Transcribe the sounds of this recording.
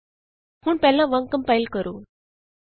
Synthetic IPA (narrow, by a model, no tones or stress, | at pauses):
huɳpɛlːãʋəŋkəmpajlkəɾoː